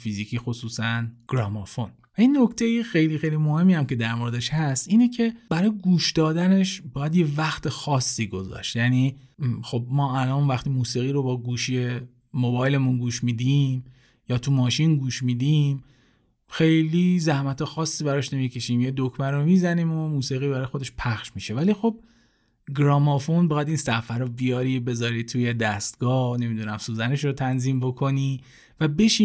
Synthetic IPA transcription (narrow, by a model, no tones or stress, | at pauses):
fizicʰiːxosuːsænɡ̥ɾɒːmɒfon | væinːokt̪ʰejixejliːxejlimo̞he̞mːiːhæmce̞d̪æɾmo̞ɾed̪eʃhæst̪ʔiːnecʰe̞bæɾɒːjeɡuːʃd̪ɒːd̪æne̞ʃbɒːjæd̪je̞væxt̪ʰexɒːsːiːɡo̞zɒ̰ʃt̪jæniːxo̞b̚mɒːælɒːnvæxt̪iːmuːsiːɣiːɾobɒːɡuːʃije | mobɒːjle̞munɡuːʃmiːd̪iːm | jɒːt̪ʰumɒːʃinɡuːʃmiːd̪im | xe̞jlizæhmæt̪ʰexɒːsːiːbæɾɒʃne̞micʰe̞ʃiːmjed̪okʰmænɾomiːzænimomuːsiɣiːbæɾɒːjexo̞d̪eʃpʰæχʃmiʃevælixo̞b̥̚ | ɡɾɒːmɒfonbɒːjæd̪iːnsæfæɾobijɒːɾibe̞zɒːɾit̪ʰuːje̞d̪æst̪̚ɡ̥ɒːhne̞mid̪unæmsuːzæne̞ʃɾot̪ʰænziːmbo̞kʰo̞ni | væbe̞ʃiː